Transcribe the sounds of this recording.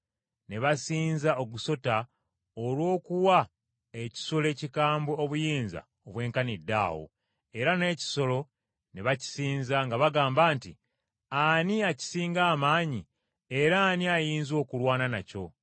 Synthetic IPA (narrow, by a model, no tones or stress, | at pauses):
ne̞βasiːnzaoɡuso̞ta | olwo̞ːkuwa | e̞ci̥so̞le̞ːcikaːmbeoβujiːnza̰ | oβwe̞ːŋkanidːa̰ːwo̞̰ | e̞ɾane̞ːci̥so̞lo̞ | neβaci̥siːnzaŋɡaβaɡaːmbaːntḭ | aniaci̥siːŋɡaːmaːɲi | e̞ɾaːniajiːnzo̞ːkulwaːnanaco̞̰